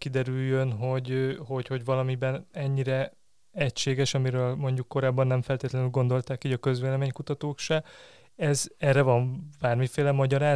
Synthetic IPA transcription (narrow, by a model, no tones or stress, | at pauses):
kid̪ɛɾyjːønɦo̞ɟho̞cho̞ɟvɒlɒmibɛnɛɲːiɾɛ | ɛcʃeːɡɛʃɒmiɾøːlmo̞ɲɟukːo̞ɾaːbːɒnːɛɱfɛlt̪eːt̪lɛnylɡo̞nd̪o̞lt̪aːkiːɟɒkø̞zʋeːlɛmeːɲkut̪ɒt̪oːkʃɛ | ɛzɛrːɛvɒɱb̥aːrmifeːlɛmɒɟɒɾaː